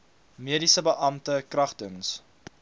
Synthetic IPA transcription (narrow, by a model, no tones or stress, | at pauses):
miədisəbəʔɐmtəkrɐχtəŋs